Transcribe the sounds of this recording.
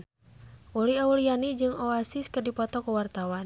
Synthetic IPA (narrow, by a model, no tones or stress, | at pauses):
ʔuliaulianid͡ʒɨŋoasiskərdipɔt̪ɔkəwart̪awan